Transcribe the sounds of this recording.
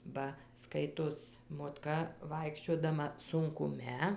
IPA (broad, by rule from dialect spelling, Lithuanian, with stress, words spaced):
ˈbɐ ˈskɐɪtoːs moːtˈkɐ ˈʋɐɪkʃʲt͡ʃʲoːdɐmɐ sʊŋkʊˈmʲɛ